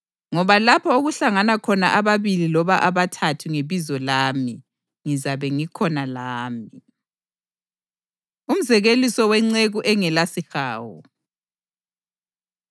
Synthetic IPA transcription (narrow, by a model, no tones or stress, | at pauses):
ŋɔβalapʰɔoɣuɬaŋanakʰɔnaʔaβaβililɔβaʔaβatʰatʰuŋeβizɔlaːmi | ŋizaβɛŋikʰɔnalaːmi | um̩zɛɣelisɔwɛŋ͡ǀeɣuʔɛŋɛlasixaːwɔ̰